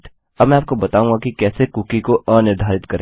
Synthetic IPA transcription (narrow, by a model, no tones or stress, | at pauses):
ʈ | ɐbmɛ̃aːp̚kobɐt̪aːũŋɡakikɛːsekukikoʔɐ̃nɪɾd̪ʱaːɾɪt̪kɐɾẽː